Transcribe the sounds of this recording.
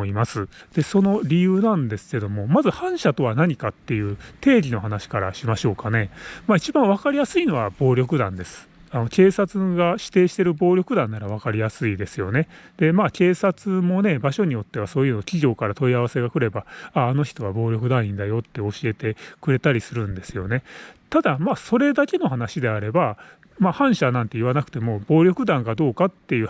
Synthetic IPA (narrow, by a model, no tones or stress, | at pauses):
imasɨd̪̥e̞so̞no̞ɾʲijɯ̟ːnãnd̪e̞sɨ̥ke̞d̪o̞mo̞mazɨhãɰ̃ɕat̪o̞βanaɲ̟ikat̪ːe̞jɯ̟ːt̪e̞ːɾʲino̞ɦanaɕi̥kaɾa̰ɕimaɕo̞ːkane̞mait͡ɕibãɰ̃βakaɾʲijasɨino̞βab̥o̞ːɾʲo̞kɯ̟d̪ã̰nd̪e̞sɨ̥ano̞ke̞ːsat͡sɨɡaɕi̥t̪e̞ːɕi̥t̪e̞ɾɯ̟bo̞ːɾʲo̞kɯ̟d̪ãnːaɾaβ̞akaɾʲijasɨid̪e̞sɨjo̞ne̞d̪̥e̞make̞ːsat͡sɨmo̞ne̞baɕo̞ɲ̟ijo̞t̪ːe̞β̞aso̞ːjɯ̟nokʲiɡʲo̞ːkaɾat̪o̞iaβase̞ɡakɯ̟ɾe̞baaːno̞çi̥t̪o̞βabo̞ːɾʲo̞kɯ̟d̪ãĩnd̪ajo̞t̪ːe̞o̞ɕie̞t̪e̞kɯ̟ɾe̞t̪aɾʲisɨɾɯ̟̃nd̪e̞sɨjo̞ne̞t̪ad̪amaːso̞ɾe̞d̪ake̞no̞hanaɕid̪e̞aɾe̞ba | mahãɰ̃ɕanãnt̪e̞iβanakɯ̟̥t̪e̞mo̞bo̞ːɾʲo̞kɯ̟d̪ãŋɡad̪o̞ːkat̪ːe̞jɯ̟ː